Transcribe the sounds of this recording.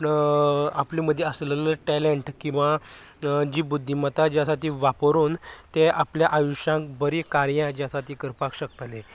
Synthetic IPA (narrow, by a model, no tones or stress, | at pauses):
apliːməd̪ʱːjeəslələʈɛleɳʈkĩw̃ʋa | d͡ʑiːbud̪ʱːimət̪ad͡ʑjasaʈ̪iʋapɾoːnt̪eapljaʔajuɕãk̚bəɾikaɾjãd͡ʑasat̪iːkəɾpakɕəkt̪ale